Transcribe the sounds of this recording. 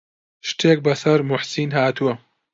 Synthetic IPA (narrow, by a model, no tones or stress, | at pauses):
ʃt̪ʰeːk̚bɐsɐɾmʊħsiːnɦaːt̪ʰuwɐ